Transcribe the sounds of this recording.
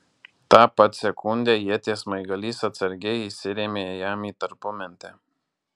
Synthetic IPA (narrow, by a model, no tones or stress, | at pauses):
t̪ɑːpɐt̪sʲɛkʰʊnʲd̪ʲɛːjiɛt̪ʲeːsmɐɪɡɐlʲiːsɐt̪sɐɾʲɡʲɛisʲɪɾʲeːmʲeːjæːmiːt̪ɐɾpʊmʲɛnʲt̪ʲɛ